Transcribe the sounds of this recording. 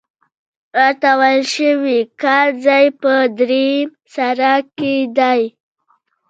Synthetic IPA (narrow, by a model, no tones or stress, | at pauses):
aɾt̪awajlʃəwikɑld͡zɑjpəd̪ɾem | saɾaked̪aj